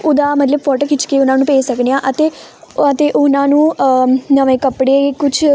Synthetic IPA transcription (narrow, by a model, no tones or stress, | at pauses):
ʊd̪aːmət̪ləbfɔːʈoːkɪt͡ʃkeːʊnãːnũːpeːsəknejãːʔət̪eː | ət̪eːʔʊnãːnũːnəʋẽːkəpɽeːkʊt͡ʃʰ